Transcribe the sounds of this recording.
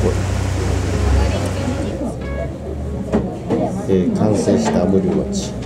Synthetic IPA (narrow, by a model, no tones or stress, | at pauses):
o | ekãɰ̃seːɕi̥t̪amɯɾʲia̰t͡ɕi̥